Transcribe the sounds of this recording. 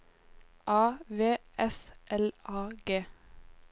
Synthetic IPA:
ʔɑːʋeːʔɛsʔɛlɑːɡeː

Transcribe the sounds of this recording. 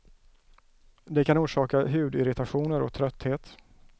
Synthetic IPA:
d̪ɛkʰanuːʂɑːkaɦʉ̟ːd̪ɪɾɪt̪aɧuːnəɾɔ̰k̚t̪ʰɾœt̪ːheːt̪

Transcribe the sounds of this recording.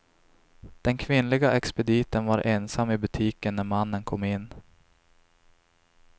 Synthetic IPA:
d̪̥ɛnkʰvɪnːlɪɡaʔɛkspɛd̪iːt̪ənvaɾʔeːnsamːɪbɵt̪ʰiːkənːæɾmanːənkʰɔmːɪnː

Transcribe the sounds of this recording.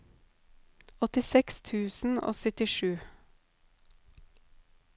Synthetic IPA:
ɔt̪ɪsɛkst̪ʰʉːsn̩o̰ːsœt̪ɪʃʉː

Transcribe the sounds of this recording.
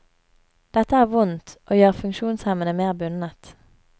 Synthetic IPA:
d̪̥ɛt̪əæːʁʋʊnt̪ʔoːjøːʁfʉŋkʃuːnshɛmənəmeːʁbʉnət̪

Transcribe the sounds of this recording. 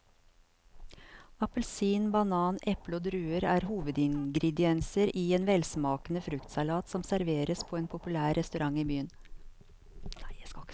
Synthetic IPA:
ɑpəl̩siːnbɑnɑːnʔɛpl̩oːd̪ɾʉːəɾæːɾhuːʋəd̪ɪŋɡɾɪd̪ɪɛnsəɾiːeːnʋɛlsmɑːknəfɾʉkt̪sɑlɑːt̪sɔmsæɾʋeːɾəspʰoːeːnpʰʊpʉlæːɾɛst̪ʉɾɑŋiːbyːən

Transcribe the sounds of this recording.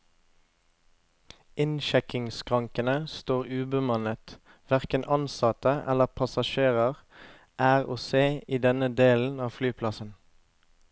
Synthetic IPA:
ɪnʃɛkɪŋskʰʁɑŋkənəst̪oːʁʉːbəmɑnət̪ | ʋæʁkənʔɑnsɑt̪əʔɛ̰ləʁpʰɑsɑʃeːʁəʁ | ʔæːʁoːseːiːd̪ɛnəd̪eːln̩ɑːflyːpʰlɑsən

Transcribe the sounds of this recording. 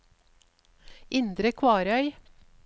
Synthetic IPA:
ʔɪnd̪ɾəkʰʋɑːɾœʏ

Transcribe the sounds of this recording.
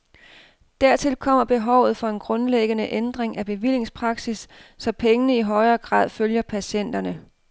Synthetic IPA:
d̥æɐt͡sʰe̝lkʰɒ̽m̰ɐb̥e̝ɦɒʊ̰ð̞̩ˠfɒ̽e̝nɡ̥ʁɔ̽nleɡ̥ənəʔend̥ʁeŋʔæb̥e̝ʋil̰e̝ŋspʰʁɑ̈ɡ̥sisːɒ̽pʰeŋənəiɦɒ̽ɪɐːɡ̥ʁɑ̰̈ːð̰ˠføljɐpʰæɕen̰d̥ɐnə

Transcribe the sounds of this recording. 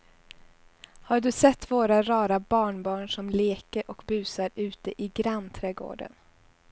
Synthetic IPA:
haɖɵsɛt̪ːvoːɾaɾɑːɾabɑːɳbɑːɳʂɔmleːkəɾʔɔkbʉ̟ːsaɾʉ̟ːt̪əʔɪɡɾanːt̪ʰɾɛːɡo̰ːɖə̰n

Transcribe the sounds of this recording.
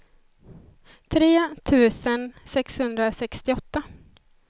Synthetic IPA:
t̪ʰɾeːt̪ʰʉ̟ːsənsɛkshɵnd̪ɾasɛkst̪ɪɔt̪ːa

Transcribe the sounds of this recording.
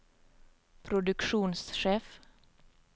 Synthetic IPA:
pʰɾʊd̪ʉkʃuːnsʃeːf

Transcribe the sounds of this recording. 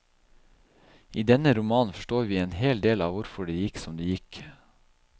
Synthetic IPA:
ʔiːd̪ɛnəɾʊmɑːnfɔ̥ʃʈoːɾʋiːeːnheːld̪eːlɑ̰ːʋʊɾfɔɖeːjɪksɔmd̪eːjɪk

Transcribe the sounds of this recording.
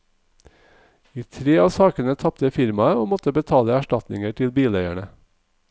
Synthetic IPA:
iːt̪ʰɾeːɑːsɑːkənət̪ʰɑp̚t̪əfɪɾmɑəoːmɔt̪əbət̪ʰɑːləæʃʈɑt̪nɪ̰ŋəʈʰɪlbiːlœʏæɳə

